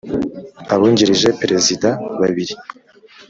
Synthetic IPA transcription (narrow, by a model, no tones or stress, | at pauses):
aβuːɲɟiɾiʒe̞pɾezidaβaβiɾi